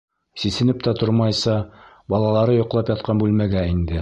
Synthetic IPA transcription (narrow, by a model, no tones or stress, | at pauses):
sisɘ̆nɘp̚t̪æt̪oɾmɑjsɑ | bɒlˠɑlˠɑɾɤjŏqlˠɑpjɑt̪̚qɑnbʉlmæɡæind̪ɘ